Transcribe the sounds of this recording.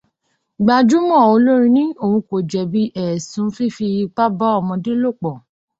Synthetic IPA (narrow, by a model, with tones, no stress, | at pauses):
ɡ͡ba˨˧d͡ʒu˦mɔ̃˦˨o˧lo˦ɾĩ˧nĩ˦o˦˨hũ˧ko˨d͡ʒɛ˨bi˦ʔɛ˦˨sũ˨˦fi˦fi˧ba˦ba˦ɔ˦˨mɔ̃˧de˦lo˦˨k͡pɔ˨